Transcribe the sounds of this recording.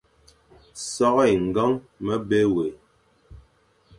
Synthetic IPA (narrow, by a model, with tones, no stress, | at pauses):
sɔ˦ʔjŋ̩˨ɡa˦ŋ | mə˦be˦we˨